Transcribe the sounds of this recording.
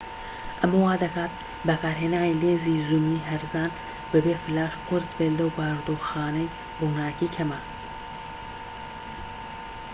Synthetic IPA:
ʔɐmɐwaːd̪ɐkaːt̪̚ | bɐkaːɾɦeːnaːwileːziːzumiːɦɐɾzaːn | bɨbefɨlaːʃqʊɾzbeːlɐwbaːɾd̪oːxaːnɐj | ruːnaːkiːkʰɐmaːl

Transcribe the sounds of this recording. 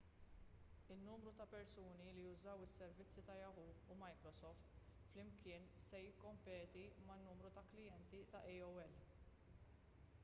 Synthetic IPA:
ɪnːuːmɾut̪ɐpɛɾsuːnilijʊzɐwɪsːɛɾvɪt͡sːit̪ɐjɐhuumɐjkɾɔsɔft̪flɪmkɪːnsɛjɪkːɔmpɛːt̪imɐnːuːmɾut̪ɐklɪjɛnt̪it̪ɐʔɛjɔwɛl

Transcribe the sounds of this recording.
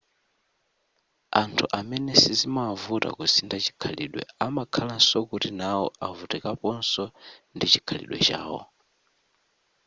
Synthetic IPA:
antʰuʔamɛnɛsizimavuta̰kusindat͡ʃi̥kʰalḭɗwɛ̰amakʰalansɔkutinawɔavutɛkapɔnsɔndit͡ʃi̥kʰalḭɗwɛ̰t͡ʃa̰ːwɔ̰

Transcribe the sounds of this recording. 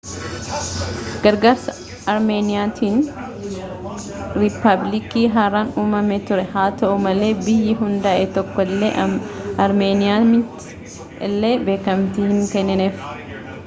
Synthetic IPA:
ɡ̥ɐɾɡaːɾsɐ | ɐɾme̞ːnɪjaːt̪ʰiːn | ɾɪpɐblɪkiːɦaːɾaːnuːmɐmet̪ʊɾɛhaːt̪ɐʔʊmɐle̞ːbɪjːɪɦʊnd̪aːʔɛt̪ɔkːɔlːḛːʔɐɾmeːnɪjaːmɪt̪ | lːe̞ːbe̞ːkɐmt̪iːhɪŋkɛnːɛneːf

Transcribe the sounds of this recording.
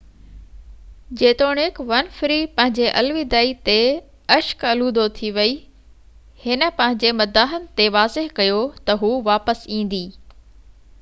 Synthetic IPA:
d͡ʑeːt̪oːɽ̃ɪkʋɐnfɪɾipɐ̃ɦɪ̃ɲd͡ʑeʔɐlʋid̪aːit̪e | ɐʃkɐluːd̪ot̪ʰiʋɐi | hɪnə̆pɐ̃ɦɪ̃ɲd͡ʑemɐd̪aːɦənɪ̆t̪eʋaːzɪɦkɐjot̪ɐɦuʋaːpəsĩːn̆d̪iː

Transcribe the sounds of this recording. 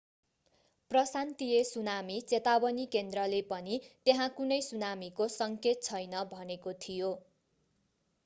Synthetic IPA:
prʌsant̪ijesunamit͡set̪abʌnikend̪rʌlepʌnit̪eɦãkunʌjsunamikosʌŋket̪̚t͡sʰʌjnʌbʱʌnekot̪ʰijo

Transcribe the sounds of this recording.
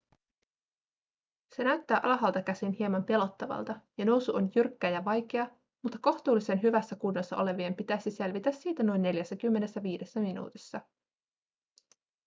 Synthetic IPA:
se̞næɥt̪ːæːʔɑlɑɦɑlt̪ɑkæsinhiemɑmpe̞lo̞t̪ːɑʋɑ̰lt̪ɑjɑno̞wsuʔo̞njyrkːæjɑʋɑjk̟e̞ɑ | mut̪ːɑko̞ht̪uːlːise̞nɦyʋæsːækunːosːɑ̰ʔo̞le̞ʋiempit̪æjsise̞lʋit̪æsːiːt̪æno̞jnːe̞ljæsːækymːe̞ne̞sːæʋiːde̞sːæminṵːt̪isːɑ

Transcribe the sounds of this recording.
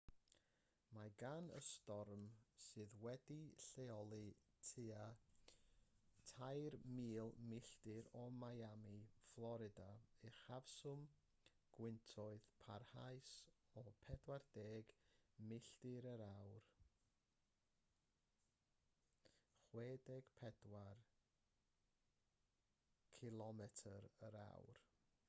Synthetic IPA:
maɡanə̰stɔrmsɨːðwɛdiɬeɔlˠɨ | tʰɨa | tʰajrmiːlˠmɪɬd̥ɪɾɔmajamiflˠɔɾɪdaɨχavsʊm | ɡ̥wɪntʰɔɨðpʰarhaɨsɔpʰɛdward̥eːɡmɪɬdɪɾəɾawr | χweːdɛɡ̥pʰɛd̥war | kʰɪlˠɔmɛtʰəɾəɾa̰wr

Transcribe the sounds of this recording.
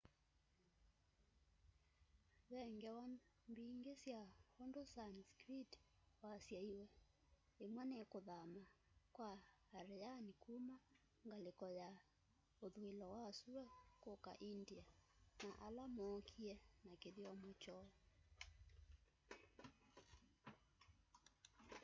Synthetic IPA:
βɛŋɡɛwambiŋɡesiahɔndɔsanskɾitwasiaiwɛ | emwanɛkoðama | kwaːɾɛanikuma | ŋɡalekɔja | oðuilɔwaːsuɾwɛkɔka̰ʔindianaʔalamɔːkʰiɛnakeðiwamɔt͡ʃɔ

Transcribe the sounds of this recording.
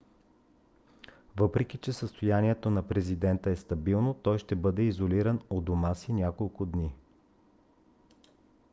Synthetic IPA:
vɤpɾɛkʲit͡ʃɛsəst̪ojaniɛt̪onɐpɾɛzid̪ɛnt̪əɛst̪ɐbilˠnot̪ɔjʃt̪ɛbɤd̪ɛizoliɾənod̪omasinʲakolˠkʊd̪ni

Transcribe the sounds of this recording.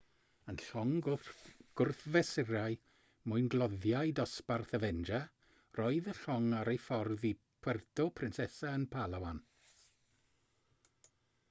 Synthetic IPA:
ənɬɔŋ | ɡ̥ʊrθvɛsɪraɨ | mʊɨnɡlˠɔðjajdɔsparθəvɛnd͡ʒa | rɔɨðəɬɔŋaɾejfɔrðipʰwɛrtʰɔpʰrɪnsɛsaənpʰalˠawan

